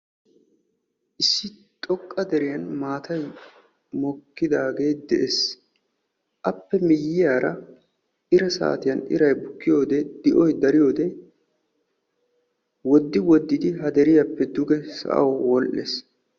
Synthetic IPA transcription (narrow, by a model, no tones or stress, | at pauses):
ʔɪsːɪt̪ʼɔkʼːɐd̪ɛɾɪjɐnmaːt̪ʰɐj | mɔkːɪd̪aːɡe̞ːt̪̚d̪ɛʔes | ʔɐpːɛmɪjːɪjaːɾɐ | ʔɪɾɛsa̰ːt̪ɪjɐnɪ̰ɾɐjbʊkːɪjo̞ːd̪ɛd̪̥ɪʔɔjd̪ɐɾɪjo̞ːd̪ɛ | wɔd̪ːɪwɔd̪ːɪd̪ɪɦɐd̪ɛɾɪjɐpːɛd̪ʊɡɛsɐ̰ʔɐ̰wwɔlʔːḛːs